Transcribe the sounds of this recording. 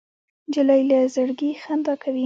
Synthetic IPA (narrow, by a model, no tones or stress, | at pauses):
d͡ʒɪlajlazəɽɡixand̪ɑkʰawi